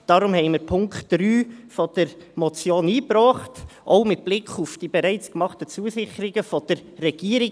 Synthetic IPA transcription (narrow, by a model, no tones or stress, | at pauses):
d̥ɑɾʊmhɛɪməɾpʰʊŋkχtd̥ɾyːfɔd̥əɾ | mɔt͡sjoːniːprɔːχtʔoʊmɪt̚b̥lɪkʰufd̥iːbɛɾæɪt͡skmɑχtət͡suːəsɪçəɾɪɡəfɔd̥əɾːɛɡ̥iəɾɪ